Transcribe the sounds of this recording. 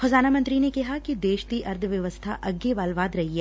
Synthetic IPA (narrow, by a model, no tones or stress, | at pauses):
xɐzaːnamɐ̃nt̪ɾinekɐɦakid̪eːʃt̪iʔɐɾd̪ʱʋjɐʋəst̪ʰa̰ʔɐɡːeʋaːlʋaːd̪ɾɐɦiɛː